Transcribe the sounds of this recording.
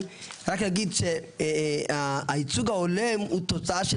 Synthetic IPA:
ɾaknaɡid̪ʃe | aːit͡suɡaolemut̪ot͡saaʃe

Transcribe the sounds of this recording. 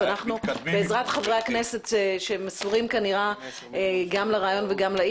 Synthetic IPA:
anaχnubeːzʁatχavʁejaknese̞t̪ʃemesuʁimkaniʁa | eɡamlaʁaːjo̞nveɡamla

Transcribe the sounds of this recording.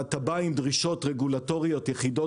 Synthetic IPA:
atabaimdʁiʃo̞tʁeɡulato̞ʁijo̞tjeχido

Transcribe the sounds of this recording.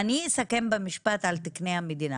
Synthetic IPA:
ɐnisɐkembɐmiʃpaːt̪alt̪iknejamːid̪ina

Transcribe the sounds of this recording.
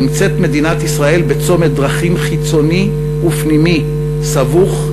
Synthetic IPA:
mt͡se̞t̪me̞d̪inat̪isʁae̞lbet͡so̞med̪ʁaχimχit͡so̞ni | upnimi | savuχ

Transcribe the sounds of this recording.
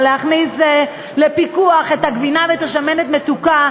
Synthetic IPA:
leaχnis | le̞pikuaχe̞t̪haɡvinaveːt̪aʃamenet̪met̪uka

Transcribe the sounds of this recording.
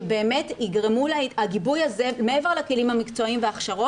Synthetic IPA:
be̞ːmetiɡʁemulaɡibujazemeeveʁlake̞limhamikt͡so̞imveaχʃaʁo̞

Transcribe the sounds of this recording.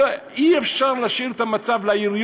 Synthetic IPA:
iefʃaʁlaʃiʁet̪amat͡savlaiʁj

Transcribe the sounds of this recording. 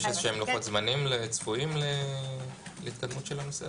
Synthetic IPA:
ʃezʃeemloxot̪zmanimlet͡sfuimle | leit̪kad̪mut̪ʃelanosḛ

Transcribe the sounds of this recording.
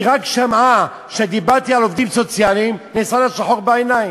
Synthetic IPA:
ʁakʃama | ʃed̪ibaʁt̪ialovd̪imsot͡sjalimnesalaʃaħoʁbeenaj

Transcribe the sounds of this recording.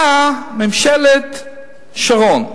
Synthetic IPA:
amɛmʃɛlet̪ | ʃaʁon

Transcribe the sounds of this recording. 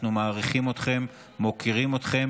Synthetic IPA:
numaːʁiχimo̞t̪χe̞mː | o̞kiʁimo̞t̪χe̞m

